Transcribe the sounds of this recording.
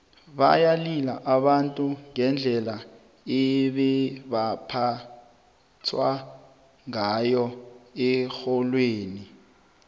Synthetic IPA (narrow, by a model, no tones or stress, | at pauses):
ɓa̰jalilaʔaɓantʼuŋɛnd͡ɮʱɛla | ɛɓɛɓapʰa | tʰwa | ŋajɔɛxɔlweːni